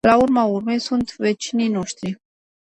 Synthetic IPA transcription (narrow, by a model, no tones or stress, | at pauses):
laurmaurme̞jsunt̪ve̞t͡ʃinijno̞ʃt̪ɾi